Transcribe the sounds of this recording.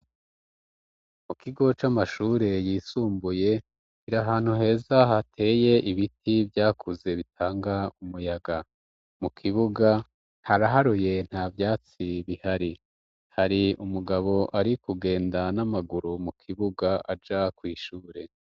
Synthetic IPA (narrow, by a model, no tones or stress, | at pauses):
mukiɡo̞t͡ʃamaʃuːɾe̞jiːsuːmbuje̞ | kiɾaɦaːn̥huɦe̞ːzaɦatʰe̞ːje̞ʔiβitibjaːkuze̞βitʰaːŋɡaumujaɡa | mukʰiβuɡa | haɾaɦaɾuje̞n̥haːvjaːt͡siβihaɾi | haɾiumuɡaβo̞ʔaɾikuɡe̞ːndanamaɡuɾumukʰiβuɡaʔad͡ʒakwiːʃuːɾe̞